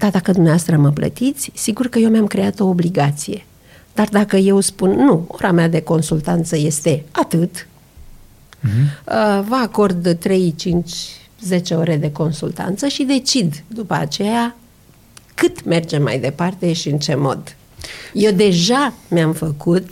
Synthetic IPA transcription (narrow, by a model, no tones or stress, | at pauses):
d̪̥ard̪akəd̪umneoast̪ɾəməplə̰t̪it̪sʲsiɡurkəje̞wmjamkɾe̞at̪o̞ːbliɡat̪sije̞ | d̪̥ard̪akəje̞wspunːuo̞̰ɾamead̪e̞ko̞nsult̪ant̪səje̞st̪e̞at̪ɨt̪ | əvəako̞rd̪t̪ːɾe̞jt͡ʃint͡ʃʲ | ze̞t͡ʃe̞o̞ɾe̞d̪e̞ko̞nsult̪a̰nt̪səʃid̪e̞t͡ʃid̪d̪upəa̰t͡ʃe̞ja | kɨt̪me̞rd͡ʒe̞ma̰jd̪e̞part̪e̞ʃiɨnt͡ʃe̞mo̞̰d̪ | je̞wd̪e̞ʒameamfəkut̪